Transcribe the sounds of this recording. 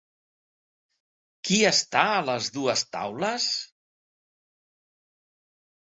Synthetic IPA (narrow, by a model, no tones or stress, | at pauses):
kiəst̪aələzðuəst̪a̰wləs